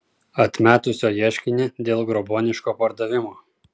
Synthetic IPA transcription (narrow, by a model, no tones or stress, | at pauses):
ɐt̪ʲmʲæːt̪ʊsʲoːjiɛʃʲkʲɪnʲɪd̪ʲeːlˠɡɾɔboːnʲɪʃkoːpɐɾd̪ɐʋʲɪmoː